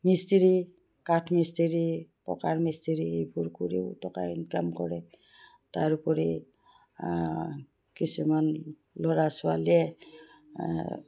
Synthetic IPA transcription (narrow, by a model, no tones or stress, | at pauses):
mistiɹi | katʰmisteɹipɔ̰kaɹmistiɹiejpuɹkuɹḭwtɔka̰nkamkɔɹɛ | taɹupɔɹi | kisuman | lɔɹasʊalɛ